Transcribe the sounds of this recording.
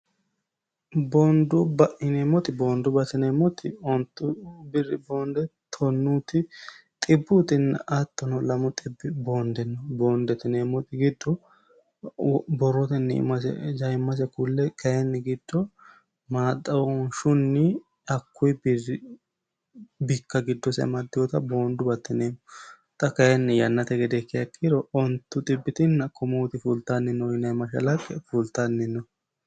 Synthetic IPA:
bɔnd̪ʊbɐʔɪnemɔt̪ɪboːnd̪ʊbɐt̪ɪnɛmɔt̪ɪɔnt̪ːʊbɪrɪboːnd̪ɛt̪ʰɔnːuːt̪ɪt̪ʼɪbːʊt̪ɪnːɐ̰ʔɐt̪ːɔnɔlɐmɔt̪ʼɪbːɪboːnd̪ɛnːɔboːnd̪ɛt̪ɪnemːɔt̪ɪɡɪd̪ːɔ | bɔrːɔt̪ɛnːɪ̰mɐsɛ̰d͡ʒɐmːɐs̬ɛkulːɛkʰɐjɛnːɪɡɪd̪̥ːɔ | maːt̪ʼːɐwɔnʃʊnːɪ | ɐkːʊjb | bɪkːɐɡɪd̪ːɔsɛ̰mɐd̪ːɪjɔt̪ɐbo̞ːnd̪ʊbɐt̪ːɪneːmːɔ | t̪ʼɐkɐjɛnːɪjɐnːɐt̪ɛɡɛd̪ɛkːɛɐkːiɾɔɔnt̪ːʊt̪ʼɪbːɪt̪ɪnːɐkʰɔmɔt̪ɪfuːlt̪anːɪnːɔɪnːɐmɐʃɐ̰lɐkʼːɛfuːlt̪anːɪnːɔ

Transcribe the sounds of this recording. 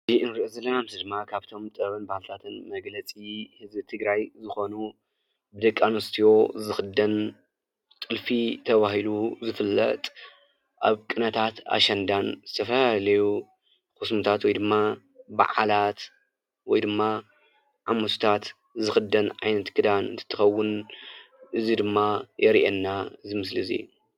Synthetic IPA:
iʔɨnɾɨʔozɐlːɐnamzid̪ɨmːakʰaβt̪ʰo̞mt̪ʼɨβɨnbahalt̪ʰat̪ʰɨnmɐɡlɐt͡sʼihɨzbɨt̪ʰɨɡɾajzɨxo̞nu | bɨd̪ɐkʼːanost̪ʰijo̞zɨxɨd̪ɐn | t̪ʼɨlfit̪ʰɐβahiluzɨfɨlːɐ̰t̪ʼ | ʔa̰βkʼɨnɐt̪ʰat̪a̰ʃɐnd̪anzɨt̪ʰɐfɐlalɐju | kɨsmut̪ʰat̪wɔjd̪ɨmːa | ba̰ʕalat̪ | wɔjd̪ɨmːa | ʕamɐt̪ʰu̥t̪ʰat̪ | zɨxɨd̪ːɐnʕajnɐt̪kʰɨd̪anɨ̰nt̪ʰɨ̥t̪ʰːɨxɐwʊn | ʔɨzid̪ɨmːajɛɾiʔɛnːaɨzimɨslizḭju

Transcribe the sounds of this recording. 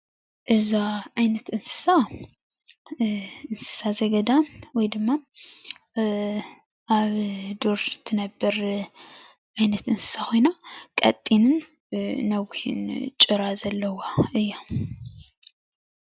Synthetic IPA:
ʔɨzaʕajnɐt̪ʔɨnsɨ̥sa | ɨnsɨ̥sazɐɡɐd̪anwɔjd̪ɨmːa | ʔaβd̪oɾt̪ʰːɨnɐbːɐɾ | ʕajnɐt̪ʔɨnsɨ̥sakʰo̞jnakʼɐ̰t̪ʼːinɨn | nɐwhḭnt͡ʃʼɨɾazɐlːɐwaɨjːa

